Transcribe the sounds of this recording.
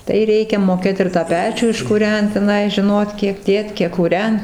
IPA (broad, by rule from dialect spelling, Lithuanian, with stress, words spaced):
tɐɪ ˈrʲɛɪkʲɛ moːˈkʲeːt ɪr tɑː ˈpʲæːt͡ʃʲuː ɪʃkʊˈrʲɛnt tʲɛˈnɐɪ ʒʲɪˈnoːt ˈkʲiɛk ˈdʲeːt ˈkʲiɛk kuːˈrʲɛnt